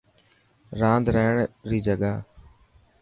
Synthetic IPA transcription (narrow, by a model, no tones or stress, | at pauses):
ɾãːnd̪ɾəːɳɾiːd͡ʒəɠaː